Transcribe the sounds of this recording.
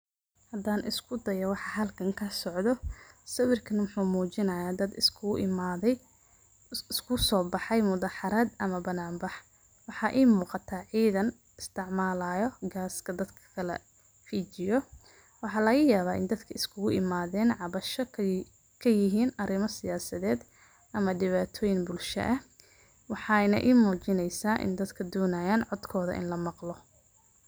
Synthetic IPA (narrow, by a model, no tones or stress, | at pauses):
hɐd̪aːnʔɪ̰skʰʊd̪ɐjɐwɑħɑɦɐlkʰɐŋkʰɐsɔʕd̪ɔsɐwɪrkʰɐnwʊħuːmuːt͡ʃɪnɐjaːd̪ɐd̪ɪskʰmːðɛ | ɪskʰʊsɔːbɑħɑjmʊðaːħɑɾɐd̪ɐmɐbɐnaːmbɑħ | wɑħɑːʔiːmuːqɑt̪ʰaːʕiːðɐn | ɪst̪ʰɪʕmaːlaːjɔɡaːskʰɐd̪ɐd̪kʰɐ̥kʰɐlɐ̰ | fiːt͡ʃɪjɔ | wɑħɑːlɐɣɐjaːβaːɪ̰nd̪ɐd̪kʰɐɪskʰʊɣʊʔɪmaːðɛːnʕɑβɐʃɔ | kʰɐjɪɦiːnɐɾɪmɐsɪjaːsɐðɛːd̪ | ʔɐmɐd̪ɪβaːt̪ʰɔːjɪŋbʊlʃɐ̰ʔɐ | wɑħɑjnɐ̰ʔiːmɔːt͡ʃɪnɛjsaːʔɪ̰nd̪ɐd̪kʰɐd̪ɔːnaːjaːnʕɔd̪kʰɔːðɐ̰ʔɪ̰nlɐmɑqlɔ